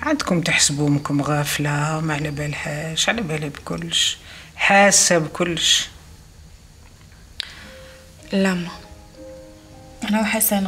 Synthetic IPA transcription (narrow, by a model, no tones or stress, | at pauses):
ʕand̪kʊmt̪əħsbumkʊmɣaflawmaʕlæbælħæʃʕalæbælibkʊlːʃħasːabkʊlːʃ | læmːa | ʔænawħasan